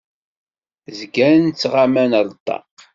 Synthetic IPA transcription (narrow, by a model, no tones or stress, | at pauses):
zɡænt͡sːʁamænəlˤt̪ˤːɑ̰q